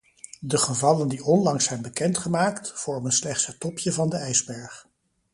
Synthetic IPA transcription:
dəχəvɑləndiɔnlɑŋsɛjnbəkɛntχəmaːktfɔɹmənslɛχtsətːɔpjəvɑndəɛjzbɛɹχ

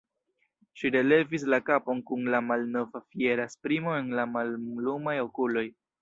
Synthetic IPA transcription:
ʃiɾe̞le̞vis̬lakapo̞nkunlamalno̞vafie̞ɾaspɾimo̞e̞nlamallumajo̞kulo̞j

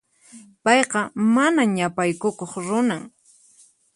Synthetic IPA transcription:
pɑjqɑmanaɲapajkʊkoχɾʊnaŋ

